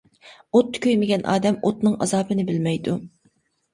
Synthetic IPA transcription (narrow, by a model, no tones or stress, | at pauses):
ot̪ːkʲʰøjmɪɡʲɛnʔɑ̰ːd̪ɛmot̪nɨŋɑ̰zɑːbɨnɪbɪlmɛjd̪u